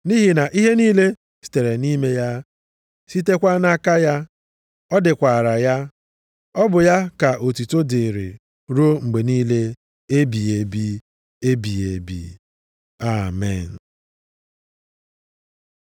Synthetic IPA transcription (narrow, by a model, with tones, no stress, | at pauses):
ni˦ɦi˨na˨ʔi˦ɦe˦niː˦le˦ | si̥˨te˨ɾe˨ni˦me˦ja˦ | si˦te˦kʷa˦na˦ka˦ja˦ | ɔ˦dɪ˨kʷa˨ɾa˨ja˦ | ɔ˦bʊ˨ja˦ka˨ʔo˨tu˨to˦de˨ɾḭ˨ | ɾo˦ŋ͡m̩˨ɡ͡be˨niː˦le˦ | e˦bi˨e˨bi˦ | e˦bi˨e˨bḭ˨ | a˨mɛ̰˨n̩˨